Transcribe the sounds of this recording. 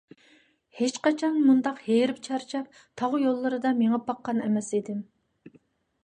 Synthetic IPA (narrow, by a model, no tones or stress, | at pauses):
het͡ʃqɑt͡ʃʰɑnmund̪ɑqheɾɪpt͡ʃʰɑɾt͡ʃʰɛp̚ | t̪ʰɑʁʊjolˠːɨɾɨd̪ɑmeŋɑpɑqːɑnɛmɛsid̪ɪm